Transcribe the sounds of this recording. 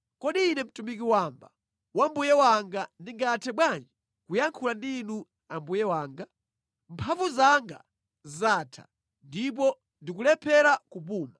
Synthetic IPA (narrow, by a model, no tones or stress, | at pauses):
kɔɗiːnɛm̩tumik̬iwamba | wambujɛwaŋɡandiŋɡatʰɛɓwand͡ʒi | kujaŋkʰulandiːnu | ambujɛwaːŋɡa | mpʰavuzaŋɡa̰ | zaːtʰa̰ | ndip̬ɔ | ndikulɛpʰɛɾakup̬uːma